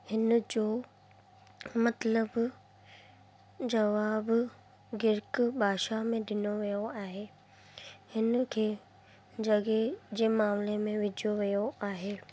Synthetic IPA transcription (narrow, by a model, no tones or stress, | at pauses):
hɪnd͡ʑoː | mɐt̪ləb | d͡ʑɐʋaːb | ɡɪɾkbʱaːʃamẽd̪ɪnoʋijoaːɦeː | hɪnkʰeː | d͡ʑɐɡed͡ʑeːmaːmlemẽʋɪd͡ʑoʋijoaːɦeː